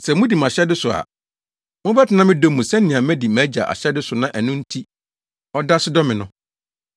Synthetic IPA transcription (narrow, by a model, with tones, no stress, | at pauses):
sɛ˨mʊ̃˦di˨m˨a˨ɕɛ˦dɪ˦sʊ˨a̰˨ | mʊ̃˦bɛ˦tʰɪ˨nã˦mɪ̃˦do˦mːũ˨sɛ˦n̩˦nĩ˨ã˨mɛ̃˦di˨mæ˨˦d͡ʑa̰˨ʔa̰˨ɕɛ˦dɪ˦sʊ˨nã˦ʔæ˨nʊ̃˦n̩˦tʰi˦ | ɔ˦da˦sɪ˦dɔ˦mɪ̃˨nʊ̃˦